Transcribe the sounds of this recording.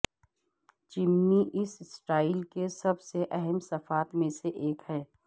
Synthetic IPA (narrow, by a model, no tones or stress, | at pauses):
t͡ʃɪmːiʔɪssʈaːɪlkesɐbseʔɛɦɛmsɐfaːt̪mẽseʔeːkhɛː